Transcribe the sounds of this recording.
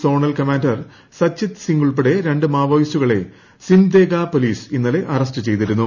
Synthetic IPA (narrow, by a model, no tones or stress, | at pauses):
so̞ːɳɐlkɐmaːndɐr | sɐt͡ɕːit̪siŋɡuɭp̬eɽe̞ɾe̞ɳɖɨmaːʋɐjisuɣɐɭe̞ | sind̪eːɡaːpoliːsinːɐle̞ʔɐrɐstɨt͡ɕe̞jt̪iɾunːu